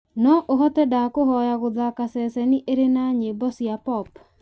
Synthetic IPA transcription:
nɔʔoɦɔtɛdakohɔjaɣoðakasɛsɛniʔeɾenaɲebɔsjapɔp

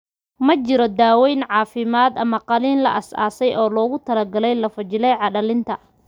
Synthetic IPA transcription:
mɐt͡ʃɪɾɔd̪aːwɛjnʕɑːfɪmaːd̪ɐmɐqɑliːnlɐ̰ʔɐsa̰ːsɛjʔɔːlɔːɣʊt̪ʰɐlɐɡɐlɛjlɐfɐt͡ʃɪlɛjʕɑɗɐlɪnt̪ʰɐ

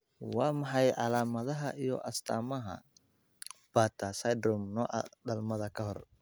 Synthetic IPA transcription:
wɑːmɑħɑjʕɑlaːmɐðɐɦɐʔijɔ̰ʔɐst̪ʰa̰ːmɐɦɐ̰ | b̥aːt̪ʰɐsɐjd̪ɾɔmnɔ̰ːʔɐ̰d̪ɐlmɐðɐkʰɐɦɔr

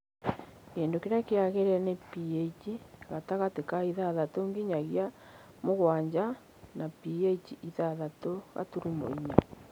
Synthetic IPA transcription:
keːndokeɾakeaɣeɾɛnepijeit͡ʃiɣataɣatekaiðaðatoŋɡiɲaɣja | moɣwaɲd͡ʑa | napijeit͡ʃiʔiðaðatoɣa̰tuɾumo̰iɲa̰

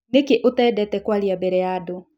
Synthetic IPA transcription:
nekeʔotɛːdɛtɛkwaɾiabɛɾɛjado

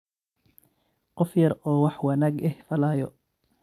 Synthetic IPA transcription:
qɔfjɐɾɔːwɑħwɐnaːɡɛhfɐlaːjɔ

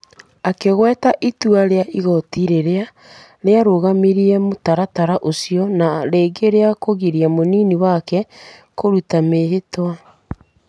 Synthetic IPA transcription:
akeɣwɛːtaʔituaɾeaʔiɣɔtiɾeɾea | ɾeaɾoɣamiɾiɛmotaɾataɾaʔosiɔnaɾeːɡeɾeakoɣiɾiamoniːniwakɛkoɾutameɦetwa

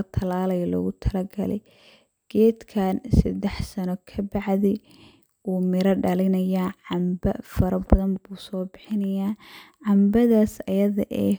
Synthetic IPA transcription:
ɐt̪ʰɐlaːlɐjɐlɔ̰ɣʊt̪ʰɐlɐɡɐlɛ̰j | ɡ̥ɛːd̪kʰaːnsɐd̪ɛħsɐnɔkʰɐbɑʕðɛ | uːmɪɾɐɖɐlɪnɐjaːʕɑmbɐ̰fɐɾɐbɐðɐnbuːsɔːbɪħɪnɐjaːʕɑmbɐðaːsɐjɐðɐʔɛː

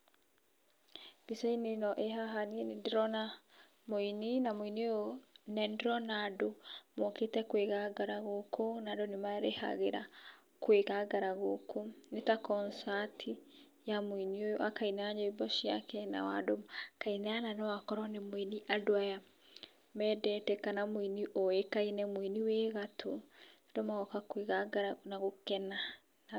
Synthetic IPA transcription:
b̥isainenɔʔeɦaɦaninendɾɔna | moininamoiniojonɛndɾɔnadomɔketɛkweɣaɡaɾaɣokʰonadonemaɾeha̰ɣeɾa̰ | kweɣaɡaɾaɣokʰonetakɔnsatʰi | jamoiniojakainaɲɔibɔʃiakɛna̰wa̰dokainɛananɔwakɔɾɔnemoiniʔadoaja | mɛdɛtɛkanamoiniʔoekainɛmoiniweɣatʰo | dɔmaɣɔkakweɣaɡaɾanaɣokɛna | na

